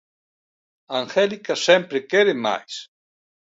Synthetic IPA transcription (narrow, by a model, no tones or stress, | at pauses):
aŋxelikasempɾekeɾema̰js